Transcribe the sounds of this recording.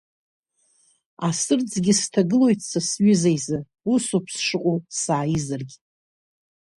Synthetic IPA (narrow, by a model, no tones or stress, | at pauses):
asɨrd͡zɡʲɪstʰaɡɨlo̞jtʰʼsʰasɥɪzejzɨ | usopʰsʂɨqʷʼowsaːjizɨrɡʲ